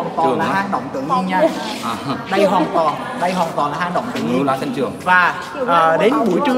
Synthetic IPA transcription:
nt̪wɔ˨˩laː˨˩˨ɦaː˧nɗə̰˧˨wŋ͡mt̪ɨ̰˧˨əŋɨ˧ŋɲa˧˩j | ɗə˧jɦwaː˨˩nt̪ɔ˨˩n | ɗə˧jɦwaː˨˩nt̪wɔː˨˩nlaː˨˩haː˧˩ɗə̰˧˨wŋ͡mt̪ɨ̰˧˩əŋɲ˧ɔ˨˦˧t͡ɕɨ˨˩əŋvaː˨˩ | ʔəː˨˩ɗe˨˦nɓṵ˧˩jt͡ɕɨ˧

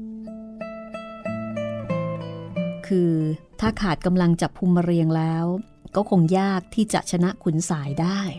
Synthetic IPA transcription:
kʰɯː˧t̪ʰaː˥˩kʰaː˨˩t̪̚ka˧mla˧ŋt͡ɕa˨˩pʰːu˧mːa˧ɾi˧əŋlɛː˦˥w | kɔː˥˩kʰo˧ŋjaː˥˩k̚t̪ʰiː˥˩t͡ɕa̰˨˩ʔt͡ɕʰa˧na˦˥ʔkʰu˨˩˦nsaː˩˦jdaː˥˩j

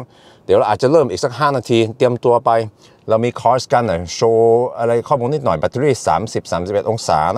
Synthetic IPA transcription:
d̪i˩˦ɾa˧ʔaː˨˩t̪̚t͡ɕa˨˩lɤː˥˩mʔiː˨˩k̚sa˧˥k̚ɦaː˥˩naː˧t̪ʰiː˧t̪i˧əmt̪u˧ɐpa˧j | ɾa˧wmiː˧kʰɔː˧˦˥ska˧nːɔ˨˩jsʰoː˧ʔa˧ɾa˧jkʰɔː˥˩mu˧nːiː˥˩t̪̚nɔ˨˩jba˨˧t̪ʰːɾiː˥˩sa̰ː˩˦msi˨˩p̚saː˩˦msi˨˩pe˨˩t̪ʔo˧ŋsa̰ː˩˦˧

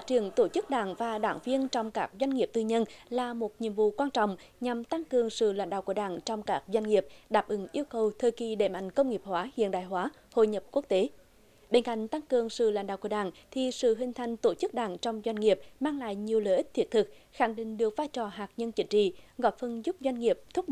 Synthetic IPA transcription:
fa˦˥t͡ɕi˨˧˩əŋt̪o˧˩t͡ɕɨ˦˥k̚ɗaː˧˩ŋvaː˨˩ɗaː˧˩ŋvi˧ənt͡ɕɔ˧wŋ͡mkaː˦˥k̚zwa˧jŋ̟ŋi˨˩əp̚t̪ɨ˧ɲə˧nlaː˨˩mo˨˩t̚ɲḭ˧˨əmvṵ˧˨kwaː˧nt͡ɕɔ̰˧˨wŋ͡mɲa˨˩mt̪a˧ŋkɨ˨˩əŋsɨ̰˧˨la̰˧˦jɗa̰ː˧˨wku˧˩əɗaː˧˩ŋt͡ɕɔ˧wŋ͡mkaː˦˥k̚zwa˧jŋ̟ŋi˨˩əp̚ɗaː˨˩p̚ʔɨ˨˦ŋʔi˧əwkə˨˩wt̪ʰəː˨˩jki˨˩ɗḛ˧˩ma̰˧˨jŋ̟kə˧wŋ͡mŋi˨˩əp̚hwaː˨˦hḭ˧˨ənɗaː˨˩jɦwaː˨˦ | ho̰˧˨jɲə˨˩p̚ku˦˥ək̚t̪e˨˦ | ɓe˧nka̰˧˨jŋ̟t̪a˧ŋkɨ˨˩əŋsɨ̰˧˨la˧˥jŋ̟ɗaː˧˨wkːəɗaː˧˩ŋt̪ʰi˨˩sɨ̰˧˨ɦï˨˩ŋ̟t̪ʰa˨˩jŋ̟t̪o˧˩t͡ɕɨ˦˥k̚ɗaː˧˩ŋt͡ɕɔ˧wŋ͡mzwa˧jŋ̟ŋi˨˩əp̚maː˧ŋla̰ː˧˨jɲi˨˩əwləː˧˨jʔi˦˥t̚t̪ʰi˦˥ət̚t̪ʰɨ˨˩k̚xa˧˩˦ŋɗḭ̈˧˨ŋ̟ɗɨ˨˩ək̚vaː˧jt͡ɕɔ˨˩ɦaː˨˩k̚ɲə˧nt͡ɕï˨˦ŋ̟t͡ɕḭ˧˨ɣɔ˨˥jfə˧˩nzʊ˦˥p̚zwa˧jŋ̟ŋi˨˩əp̚t̪ʰu˦˥

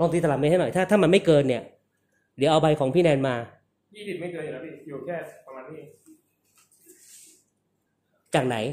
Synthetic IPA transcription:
lɔː˧ŋt̪i˧t̪a˧lma˧nha˥˩nɔ˨˩jt̪ʰaː˥˩t̪ʰaː˥˩ma˧nma˥˩jkɤː˧nːi˥˩ɐ | dɯ˩˦wʔa˧wba˧jkʰɔː˩˦ŋpʰiː˥˩nɛː˧nmaː˧ | jiː˥˩si˨˩t̪̚ma˥˩jkɤː˧na˨˩a˦˥˩i˧kʰɛː˥˩a˧maː˧nʰiː˥˩ | t͡ɕaː˨˩k̚na˩˦j

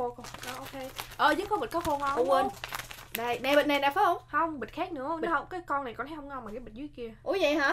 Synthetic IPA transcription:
o˧kɔ˨˩ʔɔ˨˧ʔo˧ke˧ʔəː˨˩zɨ˨˦˥t̚kɔ˨˦ɓə˨˩t̚kɔː˨˦xo˧˩ŋ˧˨˧ə˧˩n | ɗa˧˩jna˨˩ɓḛ˨na˨˩nɗaː˨˩fə˨˦˥ho˧wŋ͡mhə˧wŋ͡mɓi˨˩t̚xaː˦˥k̚nɨ̰˧˥ə˧˨˦hə˧wŋ͡mkaː˨˦jkɔ˧na˨˩jkɔ˨˩ntʰa˨˦jhə˧ŋ͡mŋa˧wmaː˨˩kaː˨˦jɓi˨˩zi˧˦jki˧əʔu˨˧˦zɛ˧˨ɦaː˨˧˥

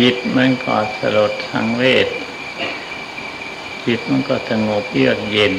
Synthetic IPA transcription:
i˨˩t̪̚ma˧˥˨nkɔ̰ː˧˩sa̰˧lo˨˩t̪ʰːa̰˧˥ŋweː˥˩t̪̚ | kʰi˨˩t̪̚ma˧˥˨nkɔː˧˩sa˧ŋo˨˩p̚lɯ˥˩ək̚je˧˩n

